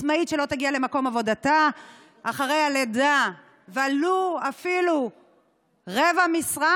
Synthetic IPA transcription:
maitʃe̞lo̞t̪aɡiale̞mako̞mavo̞data | aχaʁe̞jaleda | vealuafilu | ʁevamisʁa

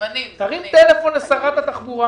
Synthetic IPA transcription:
t̪aʁimt̪elefo̞nlesaʁatat̪aχbuʁa

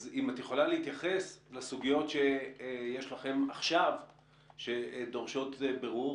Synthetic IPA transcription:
zimatjeχolalehit̪jaχe̞slasuɡijo̞tʃe̞je̞ʃlaχe̞maχʃav | ʃe̞do̞ʁʃo̞tbeʁuʁ

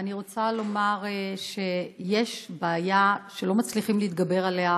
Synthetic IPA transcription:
aniʁo̞t͡salo̞maʁʃe̞jeʃbaːjaʃelo̞mat͡sliχimliit̪̚ɡabe̞ʁalea

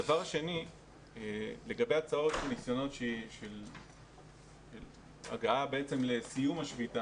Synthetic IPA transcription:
davaʁaʃe̞ni | ele̞ɡabejat͡sao̞t̪anisjo̞no̞tʃeʃel | ʃel | a̰ɡaabe̞et͡se̞mle̞sijumaʃvita

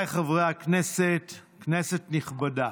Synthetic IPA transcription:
jχavʁeakneset | knesetniχbada

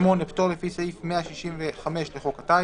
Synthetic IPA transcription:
moneptolefisaifmeaʃiʃimveχameʃleχo̞kat̪a

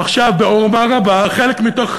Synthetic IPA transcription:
aχʃavbeoʁmaʁabaχelekmito̞χ

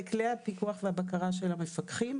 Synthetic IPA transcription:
ikleapikuaχveabakaʁaʃe̞lamefakχim

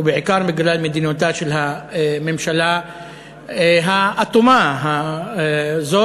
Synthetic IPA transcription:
bɪʕɪkɑːɾˤmɪɡlalmad̪inot̪aːʃelɦamɪmʃala | ɦaʔat̪umaɦa | zo

